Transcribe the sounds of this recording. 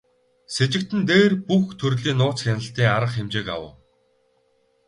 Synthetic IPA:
set͡ɕɪ̆k̚t̪ɘ̆nt̪eːrpuxt̪ʰɵrɮiːnːʊːt͡sxʲenə̆ɬt̪iːŋaɾə̆χxemt͡ɕeːka̰wʊ̰̆ː

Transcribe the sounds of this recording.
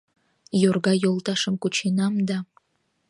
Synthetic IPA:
jorɡɑjolˠt̪ɑʃəmkut͡ɕenɑmd̪ɑ

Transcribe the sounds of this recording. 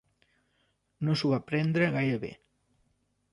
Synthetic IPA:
nosuβapɾɛnd̪ɾəɣajɾəβḛ

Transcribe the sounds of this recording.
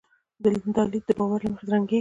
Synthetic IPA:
d̪əlnd̪ɑlid̪̚d̪əbɑwaɾlaməxed̪ɾaŋɡe

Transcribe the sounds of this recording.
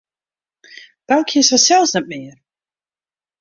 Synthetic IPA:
b̥alˠkʰɪsasɛlˠsnɛt̚mɪər

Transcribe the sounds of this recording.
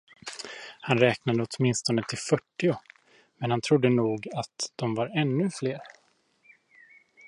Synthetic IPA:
hanɾɛːknad̪əɔt̪mɪnst̪ɔnət̪ʰɪlfœʈːɪʊ | mɛnhant̪ʰɾʊd̪ːənuːɡat̪d̪̥ɔmvaɾɛnːɵfleːɾ

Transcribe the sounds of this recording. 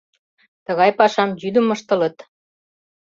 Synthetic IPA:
t̪ə̆ɣɑjpɑʃɑmjyd̪ə̆mə̆ʃt̪ɤ̆lə̆t̪

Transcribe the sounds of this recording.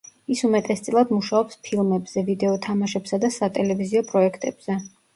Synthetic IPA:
isumɛt̪ʼɛst̪sʼlˠad̪muʃaɔpspʰilˠmɛbz̥ɛvid̪ɛɔt̪ʰamaʃɛpsad̪asat̪ʼɛlɛviziɔpʼɾɔɛkʰt̪ʼɛb̥z̥ɛ

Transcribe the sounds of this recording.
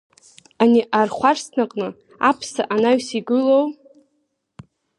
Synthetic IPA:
aniʔarχʷarsnaqʼnɨ | apʰsaʔanaɥsiɡɨlow

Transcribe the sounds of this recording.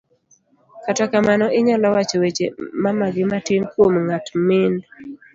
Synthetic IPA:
katakamanɔɪɲɔlɔwat͡ʃɔwet͡ʃḛmamaɡɪmatinkwomŋatmɪn

